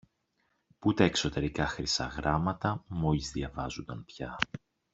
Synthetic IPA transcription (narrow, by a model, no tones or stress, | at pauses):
put̪eekso̞t̪e̞ɾikɐxɾisɐ̰ɣɾɐmɐt̪ɐmo̞ʎizðjɐvɐzond̪ɐnpçɐ